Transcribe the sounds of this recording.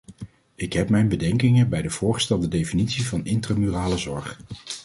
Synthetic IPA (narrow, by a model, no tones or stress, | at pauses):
ɪkɦɛpmɛjnbədɛŋkɪŋəbɛjdəv̥ʊːɹχə̥stɛlˠdədejfinitsivɑnɪntraːmyːraːləzɔɹχ